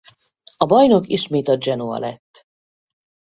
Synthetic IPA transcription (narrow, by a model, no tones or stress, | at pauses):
ɒbɒjno̞kḭʃmeːt̪ɒd͡ʒɛnoɒ̰lɛt̪ː